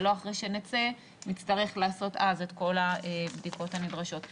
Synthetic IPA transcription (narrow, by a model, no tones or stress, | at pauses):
lo̞aχʁejʃe̞net͡se | mit͡staʁe̞χlaːso̞tazetko̞laebdiko̞thamidʁaʃo̞t